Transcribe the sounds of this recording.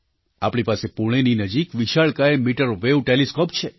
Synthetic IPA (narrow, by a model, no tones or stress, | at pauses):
a̰pɽ̃ipasepuɽ̃eninəd͡ʒikʋiʃaɭkaemiʈəɾoʋeʋʈeleskopt͡ʃʰe